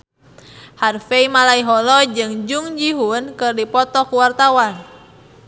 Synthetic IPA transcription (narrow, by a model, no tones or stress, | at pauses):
harfeimalaiɦɔlɔd͡ʒɨŋd͡ʒuŋd͡ʒiɦunkɨrdipɔt̪ɔkuwart̪awan